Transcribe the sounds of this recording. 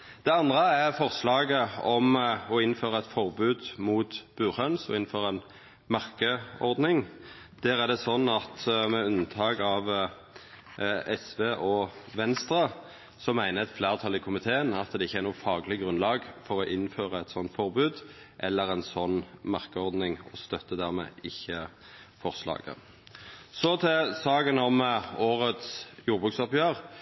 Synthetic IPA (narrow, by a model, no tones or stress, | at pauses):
d̪̥ɛɑnd̪ʁəæʁfɔʁslɑːɡəɔmɔɪnːføːʁəɛt̪fɔʁbʉːd̪muːt̪b̥ʉːʁhœnsɔɪn̩føːʁɛn | mɑʁkəɔɾd̪nɪŋ | d̪̥æːɾæʁd̪ɛsɔnːɑt̪mɛʉnət̪ʰɑːɡɑʋ | ɛsʋeːʔɔʋɛnst̪ɾɑ | sɔmæɪnəɛt̪flæːʁt̪ʰɑlɪkʰʊmɪt̪ʰeːənɑt̪d̪ɛɪçːəæɾnuːfɑːɡlɪɡʁʉnlɑːɡfɔɾɔʔɪnːføːʁəɛt̪sɔnt̪fɔʁbʉːd̪ | ʔɛlːəɾɛnsɔnːmɑʁkəɔʁd̪nɪŋɔst̪œt̪ːəd̪æʁmɛ̰ːɪçːə | fɔʁslɑ̰ːɡə̰ | sɔt̪ʰɛsɑːɡənɔmoːʁət̪sjuːɾbʉːksɔpjøːʁ